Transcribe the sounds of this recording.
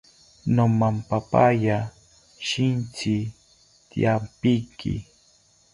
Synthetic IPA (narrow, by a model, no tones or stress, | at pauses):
nomampapaja | ʃɪnt͡ʃɪ | t̪ḭjampɪjkɪ̰